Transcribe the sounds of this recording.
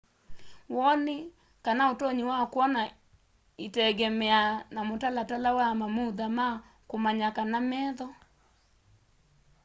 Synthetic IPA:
wɔne | kanaotoɲiwakwɔna | itɛɣɛmɛanamotalatalawamamuðama | komaɲakanamɛðɔ

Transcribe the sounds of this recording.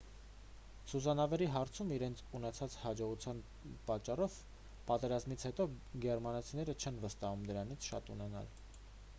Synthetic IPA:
t͡sʰuzɑnɑvɛɾiɦɑɾt͡sʰumiɾɛnt͡sʰunɛt͡sʰɑt͡shɑd͡ʒɔʁut͡sʰjɑn | pɑt͡ʃːɑrɔv | pɑt̪ɛɾɑzmit͡sʰhɛt̪ɔɡɛɾmɑnɑt͡sʰinɛɾət͡ʃʰɛnvəst̪ɑhumd̪əɾɑnit͡sʰʃɑ̰t̪unɛnɑ̰l

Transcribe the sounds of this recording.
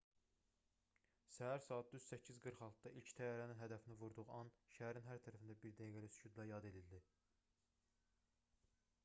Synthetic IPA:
sæɦæɾsɑːɑt̪̚ːyz̥sæcʰːizɡɯɾχɑlˠt̪ʰd̪ɑʔilcʰt̪ʰæjɑɾæninɦæd̪æfinivuɾd̪uʁuɑnʃæɦæɾinɦæɾt̪ʰæɾæfind̪æbiɾd̪æjɡæɾisy̥t͡ʃʰyd̪læjɑd̪e̞d̪ild̪i

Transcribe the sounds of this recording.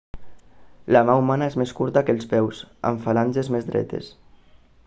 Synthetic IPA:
lamaumanaezmeskuɾt̪akəlˠspɛwsa̰ɱfalanʲʒezmezd̪ɾɛ̰t̪ḛs

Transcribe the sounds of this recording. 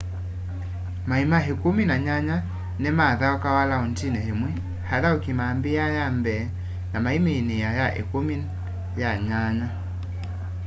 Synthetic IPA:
maimaɦikuminaɲaɲa | nɛmaðaɔkawalaɔntinɛhɛmwɛ | haðaukimambiajambɛ | namaimiinijajaʔɛ̰kumi | jaɲaɲa

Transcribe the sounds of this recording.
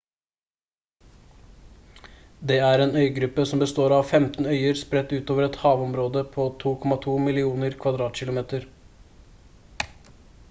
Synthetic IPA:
d̪eːæɾeːnœʏɡɾʉpːəsɔmbəst̪oːɾɑʋfɛmt̪n̩œʏəɾspɾɛt̪ːʉːt̪oːʋəɾɛt̪hɑːʋɔmɾoːd̪əpʰoːt̪ʰuːkʰɔmɑt̪ʰuːmɪlɪuːnəɾkʰʋɑd̪ɾɑːt̪ɕɪlʊmeːt̪əɾ

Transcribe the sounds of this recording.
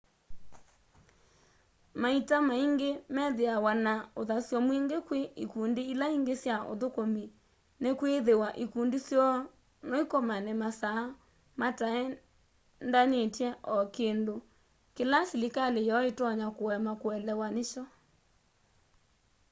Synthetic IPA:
maitamaiŋɡemɛðeawanaoðasjɔmweŋɡekweikundeilaiŋɡesjao̰ðokomi | nekweðewaʔikundisjɔ | noikomanɛmasa | mataɛ | ndanetjɛʔɔkendo | kelasilikalejɔɔetɔɲakowɛmakoɛlɛwaneʃɔ

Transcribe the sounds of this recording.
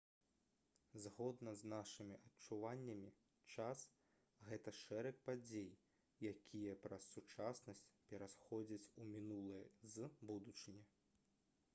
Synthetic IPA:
zɣɔd̪nɐznaʂɨmʲiʔɐtt͡ʂuvanʲːɐmʲi | t͡ʂas | ɣɛt̪ɐʂɛɾɐkpad͡zʲej | jakʲʰijɐpɾɐsːut͡ʂasnɐsʲt͡sʲpʲɛɾasxɔd͡zʲɐt͡sʲumʲinulˠɨjɐzbud̪ut͡ʂɨnʲɛ

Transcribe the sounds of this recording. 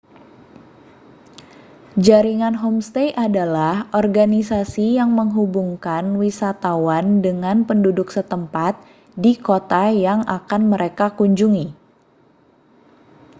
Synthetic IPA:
d͡ʒaɾiŋanɦɔmst̪ejʔadalahʔɔrɡanisasijaŋməŋɦubuŋkanwisat̪awandəŋanpəndudʊksət̪əmpat̪̚ | dikot̪ajaŋakanməɾekakuɲd͡ʒuŋi

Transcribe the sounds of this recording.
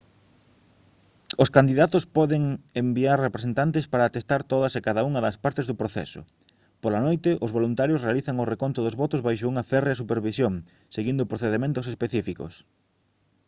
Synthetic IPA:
oskand̪iðat̪ospɔðeŋembiarrepɾesent̪ant̪espaɾaːt̪est̪aɾt̪oðɐsekaðɐuŋɐðɐspaɾt̪ezðʊpɾoθɛ̰sʊ̰ | polɐnojt̪ɪʔozβolunt̪aɾjosrealiθɐŋʊrekont̪ʊðozβɔt̪ʊzβajʃouŋɐfɛreasupeɾβisjoŋ | seɣind̪ʊpɾoθeðemẽnt̪ʊs̬espeθifiko̰s

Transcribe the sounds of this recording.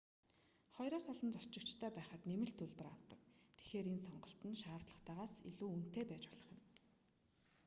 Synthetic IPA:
χɔjɾɔːsɔɮɞ̆nt͡sɔrt͡ɕɪ̆kt͡ɕt̪ʰœːpæːχə̆t̪nemɘ̆ɬt̪ʰɵɮpɘ̆ra̰wt̪ə̆k̚t̪ʰe̥xeːɾensɔɴɢɞ̆ɬt̪ə̆nʃaːrt̪ɮə̆χt̪aːʁaːsḭɮuːun̥t̪eːpæːt͡ɕɔɮ̥ə̆χə̆n

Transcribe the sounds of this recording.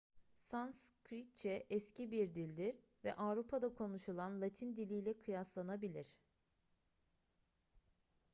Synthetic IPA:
sanskʰɾit͡ʃʰɛʔɛscibiɾd̪ilʲd̪iɾ | vɛ̰ʔavɾupʰad̪akʰo̞nuʃulˠanlˠat̪ʰind̪ilʲijlʲɛkʰɯjaslˠanabilʲiɾ̝̥

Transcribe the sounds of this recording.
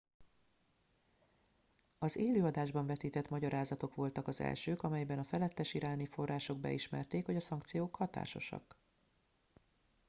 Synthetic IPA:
ɒzeːløːɒd̪aːʒbɒɱvɛt̪iːt̪ɛt̪mɒɟɒɾaːzɒt̪o̞kʋo̞lt̪ɒkɒzɛ̰lʃøːkɒmɛjbɛnɒfɛlɛt̪ːɛʃiɾaːnifo̞rːaːʃo̞ɡ̚bɛ̰iʃmɛ̰rt̪eːkho̞ɟɒsɒŋkt̪sijoːkhɒt̪a̰ːʃo̞̰ʃɒ̰k

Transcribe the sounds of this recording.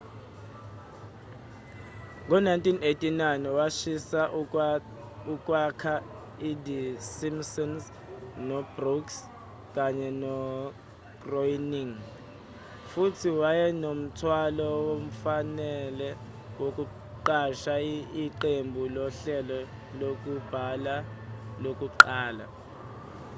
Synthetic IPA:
ŋɔnajntʼʰinetʼinajnwaʃisa | uk̬ʼwakʰa | idisimsɔns | nɔbruks | kʼaɲɛnɔ | ɡ̥rɔjniŋ | futʰiwajɛnom̩tʰwalɔwom̩fanɛlɛ | wok̬ʼu | ǃaʃaiǃembʱulɔɬɛlɔ | lok̬ʼub̥ʱala | lokʼuǃaːla̰

